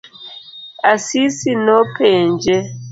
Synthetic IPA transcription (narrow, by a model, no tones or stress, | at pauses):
asisinɔpʰɛnd͡ʒɛ